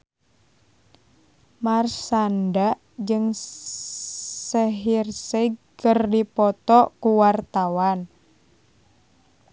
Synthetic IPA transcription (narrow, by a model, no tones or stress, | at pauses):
marsandaʔ | d͡ʒɨŋ | sɛɦirsɛɡ̚kərdipɔt̪ɔkuwart̪awan